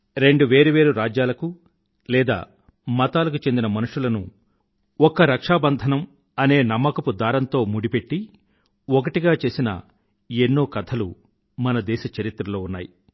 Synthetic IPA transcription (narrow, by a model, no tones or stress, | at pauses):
ɾe̞ɳɖuʋe̞ːɾuʋe̞ːɾuɾaːd͡ʒjaːlɐku | lɛːd̪a̰ː | mɐt̪aːlɐkut͡ʃe̞nd̪inɐmɐnuʂulɐnṵ | ɔkːɐɾɐkʂaːbɐnd̪ʱɐnɐm | ɐne̞ːnɐmːɐkɐpud̪aːɾɐnt̪o̞ːmuɽipe̞ʈːi | ɔkɐʈiɡaːt͡ʃe̞ːsinɐ̰ | enːoːkɐt̪ʰɐlu | mɐnɐd̪ɛːʃɐt͡ʃɐɾit̪ɾɐlo̞ːunːaːji